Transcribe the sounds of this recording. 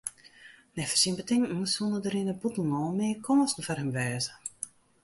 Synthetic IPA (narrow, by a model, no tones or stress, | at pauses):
nɛfərsiənbətʰɪŋməsulˠnədəɾɪnəbutəl̩ˠnɔːlˠmɪːkʰɔnəsn̩farhəmʋɛːzə